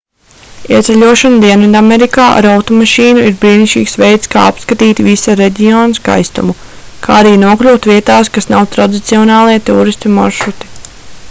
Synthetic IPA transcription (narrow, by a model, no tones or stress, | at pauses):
iɛt̪sɛlʲuɔʃand̪iɛnvid̪ameɾikaːʔa̰ɾawt̪ɔmaʃiːnuiɾbɾiːniʃt͡ʃḭːksvejt̪ska̰ːapskat̪iːt̪ivisaɾeɟʲiɔːnska̰jst̪ṵmukʰa̰ːaɾiːnuɔklʲuːt̪viɛt̪aːskasnawt̪ɾad̪it̪siɔnɑːlˠiɛt̪uːɾist̪imɔɾʃɾut̪i̥